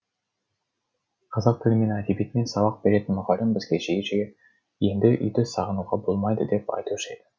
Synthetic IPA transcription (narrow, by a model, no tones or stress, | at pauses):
qʰɑzɑq̚t̪ʰɪlʲɪme̞næd̪ebijet̪ɪme̞nsɑβɑq̚be̞ɾe̞t̪ɪnmʊʁɑlʲɪmbɪzɡʲeʒejɪʒɡʲe | je̞nd̪ɪʔʏ̰jd̪ɪsɑʁənuʁɑbo̞lˠmɑjd̪əd̪e̞pɑ̰jt̪uɪʃejd̪ɪ